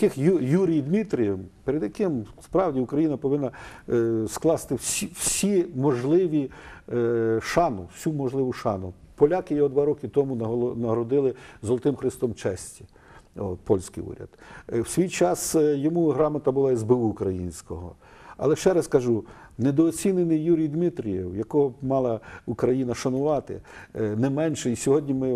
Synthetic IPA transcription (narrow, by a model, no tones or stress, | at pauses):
ɐkɪxjjuɾʲijd̪mʲit̪ɾʲijɛmpeɾed̪jɐkɪmspɾɑwdʲiʊkɾɐjinɐpɔʋɪnːɐ | sklˠɑst̪ɪwsʲiwsʲimɔʒlˠɪʋʲi | ʃɑnʊwsʲumɔʒlˠɪʋʊʃɑnʊpɔlʲakɪjɛɔd̪ʋɑɾɔkɪt̪ɔmunɐnɐɦɾɔd̪ɪlˠɪzɔlˠɔt̪ɪmxɾɪst̪ɔmt͡ʃɛsʲtʲi | ɔpɔlʲsʲkɪjṵɾʲɐ̰d̪̥wsʲʋʲijt͡ʃɑsjɔmuɦɾɑmɐt̪ɐbʊlˠɑizbɪwʊːkɾɐjḭnʲsʲkɔɦɔ̰ | ɐ̰lˠɛʃt͡ʃɛɾɐskɐʒu | nɛd̪ɔːt͡sʲinenɪjjuɾʲijd̪mɪt̪ɾʲijɛwjɐkɔɦɔmɑlˠɐukɾɐjinɐʃɐnʊʋɑt̪ɪ̰nɛmɛnʃɛisʲɔɦɔdʲnʲimɪ